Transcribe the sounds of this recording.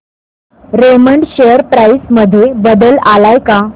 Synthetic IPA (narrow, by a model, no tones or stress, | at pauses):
ɾeməɳɖɕejəɾpɾaisməd̪ʱjebəd̪əlalajka